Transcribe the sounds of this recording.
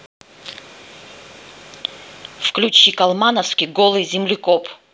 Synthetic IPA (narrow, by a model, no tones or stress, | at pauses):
fklʲut͡ɕikalˠmanəfskʲiɡolˠɨzʲɪmlʲɪkɔp